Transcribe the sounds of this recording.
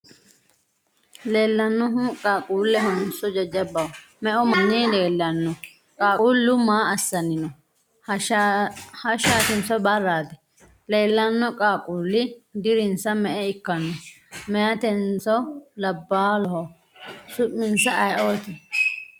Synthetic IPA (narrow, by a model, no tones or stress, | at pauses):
leːlːɐnːɔɦʊkʼaːkʼuːlːɛɦɔnsɔd͡ʒɐd͡ʒɐbːɐw | mɛʔɔmɐnːɛleːlːɐnːɔ | kʼaːuːlːʊmaːɐsːɐnɪnɔ | hɐʃaːt̪ɪnt͡sɔbɐrːaːt̪ɛ̥ | le̞ːlːɐnːɔkʼaːkʼuːlːɪd̪ɪɾɪnsɐmɛʔɛɪkːɐnːɔ | mɛjɐt̪ɛnt͡sɔlɐbːaːlɔɦɔ | sʊʔːɪnsɐɐjʔoːt̪ɛ